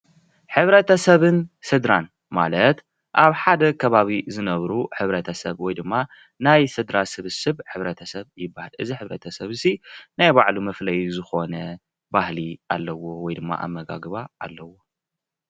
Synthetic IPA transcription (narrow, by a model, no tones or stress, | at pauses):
ħɨβɾɐt̪ʰɐsɐβɨnsɨd̪ɾan | ma̰lɐt̪ | ʔaβħad̪ɐkʰɐβaβizɨnɐβɾuħɨβɾɐt̪ʰɐsɐβwɔjd̪ɨmːa | najsɨd̪ɾasɨβɨsɨβħɨβɾɐt̪ʰɐsɐβjɪbːahɨlʔɨziħɨβɾɐ̰t̪ʰɐsɐβsinajbaʕlumɐflɐjuzɨxo̞nɐ | bahlialːɐwo̞wɔjd̪ɨmːa̰ʔa̰βːɐɡa̰ɡβaːlːɐwo̞